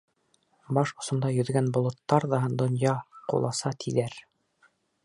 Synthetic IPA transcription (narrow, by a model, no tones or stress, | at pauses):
bɑʃŏsŏnd̪ɑjɵ̆ðɡænbŏlˠŏt̪ːɑɾðɑɦɤnd̪ŏnjɑqṵlˠɑsɑt̪ʰiðæɾ